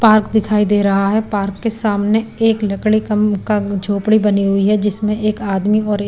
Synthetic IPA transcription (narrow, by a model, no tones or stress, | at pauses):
paːɾkd̪ɪkʰaːid̪eːɾɐɦaɦɛpaːɾkːesaːmneeːklɐkɽikɐmkad͡ʒʱoːpɽibɐniɦʊiɦɛd͡ʒɪsmẽʔeːkaːd̪miɔːɾ